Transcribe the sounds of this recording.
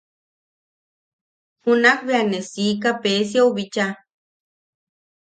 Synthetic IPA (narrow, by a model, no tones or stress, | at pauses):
hunakβeanesik̬apesjauβit͡ʃa